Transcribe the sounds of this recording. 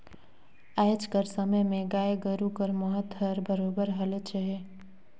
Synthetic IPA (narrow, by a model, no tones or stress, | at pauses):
aːt͡ʃkəɾsəməjmẽɡaːeɡəɾukəɾməɦət̪ɦəɾbəɾoːbəɾɦɐlet͡ʃəɦe